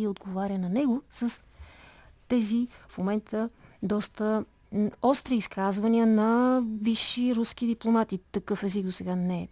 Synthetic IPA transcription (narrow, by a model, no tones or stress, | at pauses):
iod̪ɡovaɾʲənɐnɛɡosəs | t̪ɛzifmomɛnt̪ʰəd̪ɔst̪ə | ɔst̪ɾiːskʰazvəniənɐviʃːiɾusk̟id̪iplˠomat̪it̪ɐkɤfɛziɡd̪osɛɡanɛ